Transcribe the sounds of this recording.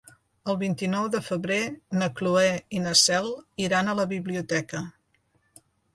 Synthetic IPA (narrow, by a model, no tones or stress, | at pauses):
əlˠβint̪inɔwðəfəβɾenəkluɛinəsɛlˠiɾanələβiβliut̪ɛkə